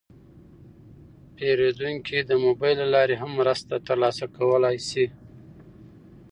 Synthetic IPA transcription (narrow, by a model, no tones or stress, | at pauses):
peɾed̪uŋkid̪əmobɑjlːalɑɾeɦamːɾəst̪at̪əɾlɑsakawəlajsi